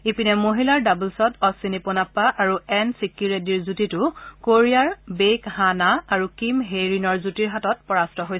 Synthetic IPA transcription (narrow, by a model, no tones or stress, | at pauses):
ipinɛmoɦilaɹdabulsɔtɔsinipɔnapːaʔaɹuɛnsikːiɹediɹzutitʊkoɹijaɹbejkhanaːɹukimɦejɹinɔɹzutiɹɦatɔt̚pɔɹastɔɦoj